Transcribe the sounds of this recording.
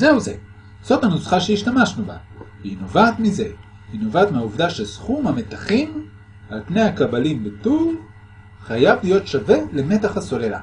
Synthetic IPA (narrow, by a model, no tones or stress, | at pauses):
ze̞uze̞̰ | z̥o̞thanosχaʃeiʃtamaʃnuba̰ | vehinovaːt̪mize̞ | hinovaːt̪meauvd̪aʃesχumhame̞t̪aχim | hatne̞jakabalimbetul | χajavlijo̞tʃave̞le̞me̞taχhaso̞lela̰